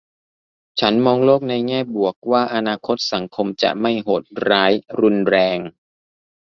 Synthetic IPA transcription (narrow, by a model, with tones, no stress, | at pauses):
t͡ɕʰa˦˥nmɔː˧ŋloː˥˩k̚na˧jŋɛː˥˩bu˨˩ək̚waː˥˩ʔa˧naː˧kʰo˦˥t̪̚sa˩˦ŋkʰo˧mt͡ɕa̰˨˩ma˥˩jɦoː˨˩t̪̚ɾaː˦˥jɾu˧nɾɛː˧ŋ